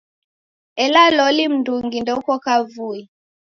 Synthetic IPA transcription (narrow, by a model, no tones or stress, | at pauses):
ɛlalɔlim̩nduŋɡindɔukɔkavui